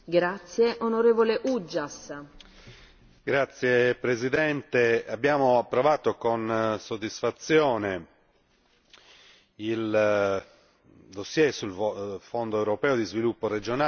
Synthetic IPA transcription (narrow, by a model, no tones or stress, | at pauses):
ɡɾat̪sːjeʔonoɾeːvoleʔud͡ʒːas | ɡɾat̪sːjepɾezid̪ɛnt̪eabːjaːmoapːɾovaːt̪okonsod̪isfat̪sːjɔːne | il | d̪osːjɛsulfond̪oɛwɾopɛːod̪izvilupːored͡ʒona